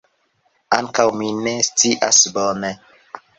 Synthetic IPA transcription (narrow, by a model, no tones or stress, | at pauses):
aŋkawminest͡siʔa̰sbɔne